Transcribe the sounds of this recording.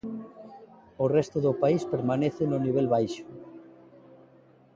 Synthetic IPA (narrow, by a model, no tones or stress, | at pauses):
orɛst̪oðopaispeɾmaneθenoniβ̞ɛlβajʃo